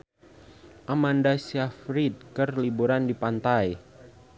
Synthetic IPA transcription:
ʔamandasiafɾit̪̚kərlibuɾandipant̪aj

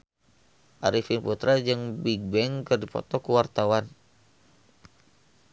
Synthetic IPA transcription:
ʔaɾifinput̪ɾad͡ʒɨŋbiɡ̚bɛŋkɨrdipɔ̰t̪ɔkuwart̪awan

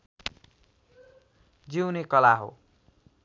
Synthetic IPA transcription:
d͡ziwnekʌlaɦo̰

